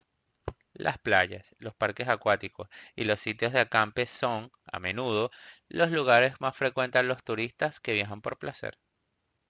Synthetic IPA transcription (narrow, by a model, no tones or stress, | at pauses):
lʔa̰splaʝaslo̞spaɾke̞sakwat̪iko̞sḭlo̞sːit̪jo̞zðeakampe̞so̞ŋ | a̰mẽ̞nuðo̞lo̞sluɣ̞aɾe̞zmasfɾe̞kwe̞nt̪ealo̞st̪uɾist̪aske̞βjaxampo̞ɾplase̞̰ɾ